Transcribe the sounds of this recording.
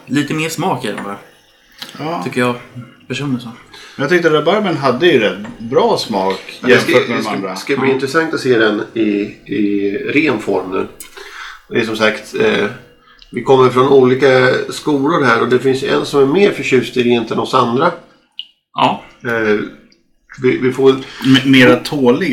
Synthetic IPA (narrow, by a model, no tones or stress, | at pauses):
liːt̪əmeːʂmɑːkɛlə̰faɾ | ɑːʏkːəjɑpʰæʂuːnɪsoɛjaɡt̪ʏk̚t̪əɾd̪ɛbaɾmənɦad̪ːəjɵɾɛt̪bɾɑːsmɑːkjakaskaliːɪnt̪ɾɛsaŋkt̪at̪seːd̪ɛnɪɪɾeːnfɔɾmnʉ̰ː | d̪ɛæʂ̬ɔmsakt̪ | vɪkʰɔmːəɾfɾɔnuːliːkaskuːlʊɾɦæːɾɔd̪ɛfɪnsjɵʔɛ̰nsɔmæɾmeːɾfœɕʉ̟ːst̪ɪɾɪnt̪ɛnɔsand̪ɾa | ɑː | vɪvɪfoːɾɛlmeːɾat̪ʰoːlɪ